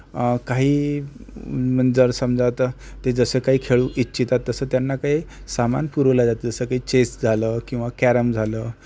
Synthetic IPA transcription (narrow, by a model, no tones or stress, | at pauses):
kaɦiː | mənd͡zəɾsəmd͡zʱaʋt̪ə | t̪ed͡zəsəːkaɦiːkʰeɭuːʔitːɕʰit̪at̪ːəsəːt̪janːakaɦiː | sama̰npuɾʋlad͡zat̪d͡zəsəːkaɦiːt͡ɕesd͡zʱaləːkĩw̃ʋakæɾəmd͡zʱaləː